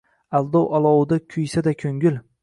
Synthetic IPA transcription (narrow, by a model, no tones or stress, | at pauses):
alˠd̪ɒwalˠɒwd̪akʲʰʊjsad̪akʲʰɵŋɡʲɪl